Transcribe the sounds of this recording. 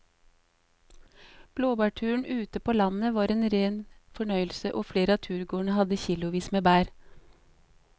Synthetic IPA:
b̥loːbɑːʈʰʉːəɳ̩ʔʉːt̪əpʰoːlɑnəʋɑːɾeːnɾeːnfɔɳœʏlsəʔoːfleːɾəɑːt̪ʰʉːɾɡoːɳəhɑd̪əçiːlʊʋiːsmeːbæːɾ

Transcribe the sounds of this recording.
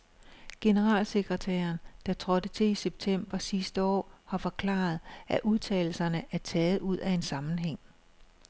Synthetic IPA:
ɡ̥e̝nəʁɑ̰̈ːlse̝ɡ̥ʁɐt͡sʰæ̰ːɐnd̥ɑ̈t͡sʰʁɒ̽d̥ət͡sʰe̝liseb̥̚t͡sʰem̰b̥ɐsisd̥əɒ̰ːhɑ̈fɒ̽kʰlɑ̰̈ːð̞̩ˠʔæʔuðˠt͡sʰɛ̰ːl̩sɐnəʔæɐt͡sʰɛːð̞̩ˠuð̞̰ˠæe̝nsɑ̈mn̩ɦeŋ̰

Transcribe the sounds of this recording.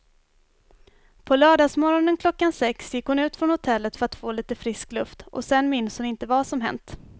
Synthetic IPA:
pʰɔlœːɖɑːsmɔɾɔnənkʰlɔkːansɛksjɪkːhʊnʉ̟ːt̪fɾɔnhʊt̪ʰɛlːət̪fœɾat̪foːliːt̪əfɾɪsklɵft̪ʔɔ̰sɛnːmɪnshʊnɪnt̪əvaʂɔmɦɛ̰nt̪

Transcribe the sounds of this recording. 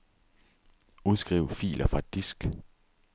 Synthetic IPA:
uð̞ˠsɡ̥ʁḭːʊ̰fḭːlʔɐfʁɑ̈ed̚d̥isɡ̥

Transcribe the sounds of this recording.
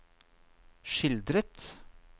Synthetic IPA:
ʃɪld̪ɾət̪

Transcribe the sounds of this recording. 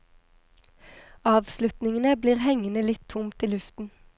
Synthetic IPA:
ɑːʋslʉt̪nɪŋənəbliːʁhɛŋənəlɪt̪ʰʊmt̪iːlʉft̪n̩

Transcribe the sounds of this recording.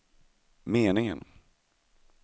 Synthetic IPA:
meːnɪŋə̰n

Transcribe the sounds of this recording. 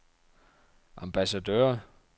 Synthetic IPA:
ʔɑ̈mb̥æsæd̥øːɐ

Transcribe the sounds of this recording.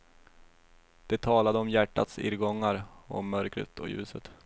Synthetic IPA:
d̪̥ɛt̪ʰɑːlad̪əɔmjæʈːa̰t̪sɪ̰ɾɡɔŋːaɾɔ̰mːœɾkɾə̰t̪ʰɔ̰jʉ̟ːsət̪

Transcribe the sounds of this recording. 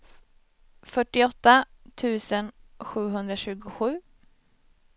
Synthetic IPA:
fœʈːɪɔt̪ːat̪ʰʉ̟ːsənɧʉ̟ːɦɵnd̪ɾaɕʉ̟ːɡʊɧʉ̟ː

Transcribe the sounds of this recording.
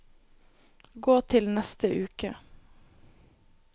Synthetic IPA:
ɡoːt̪ʰɪlnɛst̪əʔʉːkə

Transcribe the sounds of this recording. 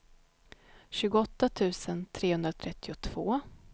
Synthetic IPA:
ɕʉ̟ːɡʊɔt̪ːat̪ʰʉ̟ːsənt̪ʰɾeːhɵnd̪ɾat̪ʰɾɛt̪ːɪʊt̪ʰv̥oː

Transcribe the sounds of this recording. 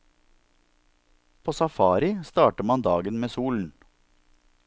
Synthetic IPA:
pʰoːsɑfɑːɾɪst̪ɑːʈəmɑnd̪ɑːɡənmeːsuːln̩

